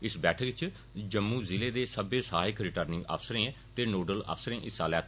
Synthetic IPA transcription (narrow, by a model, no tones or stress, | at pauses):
ɪsbɛːʈʰʋɪt͡ʃ | d͡ʒəmːũːzɪleːd̪eːsəbeːsaːɦɪkɾɪʈəɾnɪ̃ŋɡə̰ːfʰsəɾẽː | t̪eːnoːɖələ̰ːfsəɾẽːʔɪsaːlɛːt̪